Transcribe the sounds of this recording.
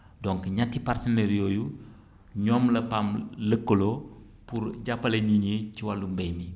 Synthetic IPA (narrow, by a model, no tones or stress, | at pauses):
dɔŋkɲatːipartɐnɛɾjoːju | ɲɔmlɐpamləkːolo | puɾɟapːɐlɐɲiɲiciwalumbɛjmi